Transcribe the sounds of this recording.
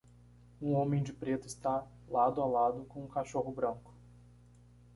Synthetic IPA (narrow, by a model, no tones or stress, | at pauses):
ũõmẽj̃d͡ʒɪpɾet̪ʊɪst̪a | lad̪ʊalad̪ʊkõũkaʃoɦʊbɾɐ̃kʊ̥